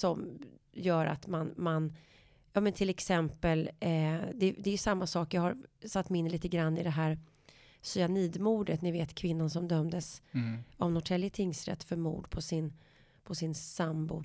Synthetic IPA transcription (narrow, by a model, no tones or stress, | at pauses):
sɔm | jœːɾa̰t̪manman | jɑːmɛnt̪ʰɪlɛksɛmpəl | d̪ɛd̪ɛːɾjɵsamːasɑːkjɑhaɾsat̪ːmɛɪnːliːt̪əɡɾanːɪd̪ɛɦæːɾ | sʏaniːd̪muːɖət̪nɪveːt̪kʰvɪnːansɔmd̪œmd̪əs | ɔvnhʊt̪ʰɛljət̪ʰɪŋsɾɛ̰t̪ːfœɾmṵːɖpʰɔsɪn | pʰɔsɪnsambʊ